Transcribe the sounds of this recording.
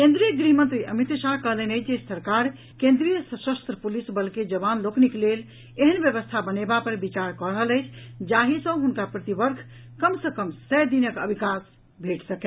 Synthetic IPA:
kẽnd̪ɾijəɡɾiɦmə̃nt̪ɾiʔəmit̪ʃaɦkəɦlənəɪt͡ʃʰd͡ʒesəɾkaɾ | kẽnd̪ɾijəsəsəst̪ɾəpulisbəlked͡ʒəbanlokniklel | eɦənbjəβəst̪ʰabənebapəɾbit͡ʃaɾkəɾɦələɪt͡ʃʰd͡ʒaɦisə̃ɦunkapɾət̪ibəɾkʰ | kəmsəkəmsəjd̪inəkə̰bʱikas | bʱeʈsəke

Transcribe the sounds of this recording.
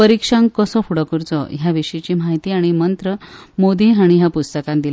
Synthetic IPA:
pəɾikʂãŋkəsɔfuɽəkuɾt͡sɔ̰ɦjaʋiʂəit͡ɕiːm̤aɦit̪iːaɽ̃imənt̪ɾə | mod̪iːɦaɽ̃iɦjapust̪əkãnd̪ila

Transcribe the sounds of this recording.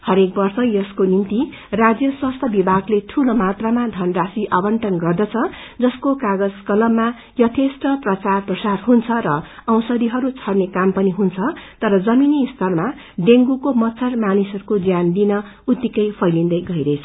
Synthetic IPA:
hʌɾek̚bʌrsʌjʌskonint̪i | rad͡zjʌswʌst̪ʰʌbibʱaɡleʈʰulomat̪ramad̪ʱʌnrasiʔabʌɳʈʌnɡʌrd̪ʌt͡sʰʌ | d͡zʌskokaɡʌd͡zkʌlʌmːa | jʌt̪ʰesʈʌprʌt͡sarprʌsarɦunt͡sʰʌɾʌʌ̃w̃sʌd̪iɦʌɾut͡sʰʌrnekampʌniɦunt͡sʰʌt̪ʌɾʌd͡zʌminist̪ʰʌrma | ɖeŋɡukomʌtːt͡sʰʌrmanisʌɾukod͡zjand̪inʌ | ut̪ːikʌjpʰʌjlind̪ʌjɡʌiɾʌjt͡sʰʌ

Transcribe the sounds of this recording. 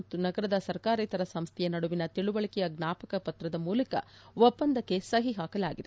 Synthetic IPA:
t̪ːunɐɡɐɾɐd̪ɐsɐɾkaːɾɐjt̪ɐɾɐsɐmst̪ʰɛjɐnɐɽuʋinɐt̪iɭuʋɐɭikɛjɐɡnaːpɐkɐpɐt̪ɾɐd̪ɐmuːlɐkɐ̰ʋɔpːɐnd̪ɐkːe̞sɐɦiɦaːkɐlaːɡid̪e

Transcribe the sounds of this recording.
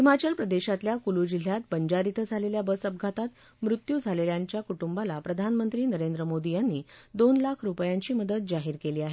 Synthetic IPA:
himat͡ɕəlpɾəd̪eɕat̪ljakulud͡ʑil̤jat̪̚bəɲd͡ʑaɾit̪əd͡zʱaleljabəsəb̚ɡʱat̪at̪ | mɾut̪juːd͡zʱaleljaɲt͡ɕjakuʈumbalapɾəd̪ʱanmənt̪ɾiːnəɾend̪ɾəmod̪ijanːiːd̪onlakʰɾupjaɲt͡ɕiːməd̪ət̪̚d͡zaɦiɾkeliːaɦe

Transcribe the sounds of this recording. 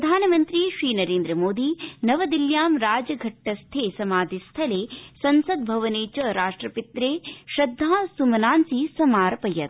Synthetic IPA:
pd̪ʱaːnɐmɐnt̪ɾiːʃɾiːnɐɾeːnd̪ɾɐmoːd̪iːnɐʋɐd̪iljaːmɾaːd͡ʒɐɡʱɐʈːɐst̪ʰeːsɐmaːd̪ʱist̪ʰɐleːsɐnsɐd̪̚bʱɐʋɐneːt͡ʃɐɾaːʂʈɾɐpit̪ɾeːʃɐd̪ʱːaːsumɐnaːnsisɐmaːɾɐpɐjɐt̪

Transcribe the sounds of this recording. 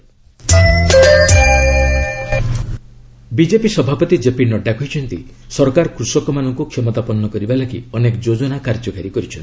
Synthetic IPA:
bid͡ʒepisɔbʱapɔt̪id͡ʒepinɔɖakʰujt͡ʃʰɔnt̪isɔɾkaɾkɾusɔkɔmanɔŋkukʰjɔmɔt̪apɔnːɔkɔɾibalakḭɔnekɔd͡ʒod͡ʒɔnakaɾd͡ʒɔkaɾikɔɾit͡ʃʰɔnt̪i

